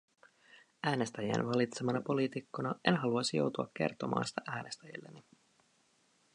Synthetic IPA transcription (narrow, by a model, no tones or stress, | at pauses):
æːne̞st̪æjæ̰nʋɑlit̪semɑnɑpo̞liːt̪ikːonɑʔe̞nɦɑluɑsijo̞̰wt̪uɑkːe̞̰rt̪o̞mʔɑ̰ːnsi̥t̪æʔæːne̞st̪æjḭlːeni